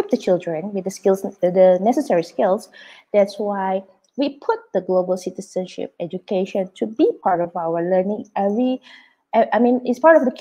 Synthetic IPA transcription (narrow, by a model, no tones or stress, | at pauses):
ip̚dət͡ʃildɹə̃nwɪdəskilsdənɛsəsɛɹiskilsd̪̥ɛtswaɪj | wipʰʊt̚d̪̥əɡlobəlsitisə̃nʃɪ̰p̚ɛd͡ʒukʰeʃɔ̃ntʰubipʰaɹtɔvawələnĩŋɛvɹi | ʔɛʔaɪmĩnɪtspaɹɾɔfd̪ək